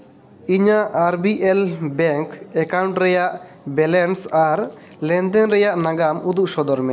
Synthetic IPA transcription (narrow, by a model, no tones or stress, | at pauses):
iɲaʔːɾbiʔɛlbɛŋkɛkawɳʈɾɛjaʔ | bɛlɛnsaɾ | lɛ̃nd̪ɛnɾɛjaʔnaɡamud̪uʔsɔd̪ɔɾmɛ